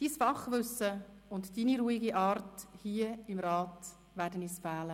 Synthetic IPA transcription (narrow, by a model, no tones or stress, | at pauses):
d̥iːsfɑχʋʏsə | ʊntd̥iːniɾuːiɡiʔɑːrthiːəɪmɾɑːt | ʋæːɾdəniːsfæːlə